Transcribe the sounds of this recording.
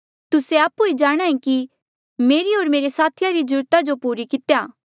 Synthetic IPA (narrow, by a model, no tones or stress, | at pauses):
t̪ʊseaːpːued͡ʒaːɽ̃ãːẽki | meːɾiɦoːɾmeːɾesaːt̪ʰɪjaɾid͡ʒʊɾt̪ad͡ʒopuːɾikɪt̪jaː